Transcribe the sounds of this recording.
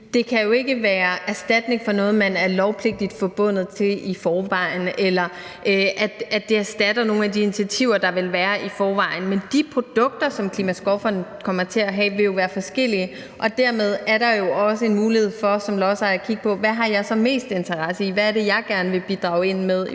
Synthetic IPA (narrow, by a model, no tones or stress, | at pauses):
d̥e̝kʰæjo̝e̝ɡ̥əʋæːɐæsd̥æd̥ne̝ŋfɒ̽nɔ̽ːð̞̩ˠmænæɐlɒʊpʰle̝ɡ̥̚d̥id̥fɒb̥ɔ̽n̰ð̞̩ˠt͡sʰe̝lifɒːʋɑ̈ɪ̰n̩elɐ | ʔʔæd̥ædd̥eæɐsd̥æd̥ɐno̝ːn̩æd̥ienit͡sʰiæt͡sʰiʊ̰ɐd̥ɑ̈ʋe̝lʋæːɐʔifɒːʋɑ̈ɪ̰n̩mend̥ipʰʁo̝d̥ɔ̽ɡ̥̚d̥ɐsɒ̽mkʰlimæsɡ̥ʁɔfɐnkʰɒ̽mɐt͡sʰe̝æɦɛ̰ːʋe̝jo̝ʋæːɐfɒ̽sɡ̥el̰iə | ʔɒ̽d̥æɐmeð̞ˠæɐɾ̥ɑ̈jo̝ɒ̽səe̝nmuːlihe̝ð̞̰ˠfɒ̽sɒ̽mlɒːsɑ̈ɪækʰiɡ̥əpʰɒ̽ʋæɦɑ̈jɑ̈ɪsɒ̽me̝̰ːsd̥e̝nt͡sʰɐʁɑsəiʋæːɐɾe̝jɑ̈ɪɡ̥æɐnəʋe̝b̥id̥ʁɑ̰̈ʊe̝n̰meðˠ